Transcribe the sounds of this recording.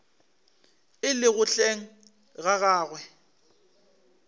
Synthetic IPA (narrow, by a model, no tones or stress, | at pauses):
ɪlɪɣʊɬeŋ̩ | ɣaɣaːɣwɛ